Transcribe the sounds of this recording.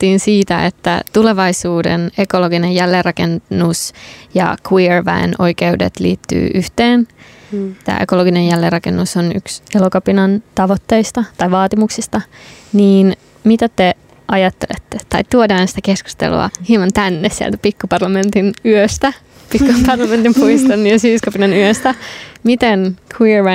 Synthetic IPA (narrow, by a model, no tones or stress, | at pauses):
t̪ːiːnsiːt̪æet̪ːæ̰t̪uleʋɑisuːdḛnekoloɡinejjælːerʔɑkennːusjɑ̰kwirʋæ̰eno̞̰jkeudḛt̪lḭːt̪ːy̰ːʔyht̪eːn | t̪æ̰ːekoloɡinejælːeːrːɑkenːusony̰kselokɑpinɑnt̪ɑʋot̪ːe̞ist̪ɑt̪ɑjʋɑːt̪imuksist̪ɑniːn | mit̪æt̪e | ʔɑjɑt̪ːelḛt̪ːet̪ɑit̪uodɑːnsi̥t̪ækesku̥st̪ḛlṵɑ̰hiemɑnt̪ænːessiæ̰lt̪æpikːupɑrlɑme̞nt̪inyøst̪æ | pikːupɑrlɑment̪impuiist̪ɑnːyøsyːskɑpinɑnyøst̪æmit̪enkʰwiɹʋæ